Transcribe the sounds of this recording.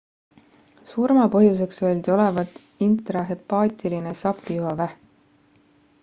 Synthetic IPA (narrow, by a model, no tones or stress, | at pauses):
surmɑpɤ̞ɦjus̬e̞ksøːlʲd̪̥io̞le̞vɑt̪ː | int̪rɑɦe̞pːɑːt̪ʲiline̞sɑpːˑijuɦɑvæhk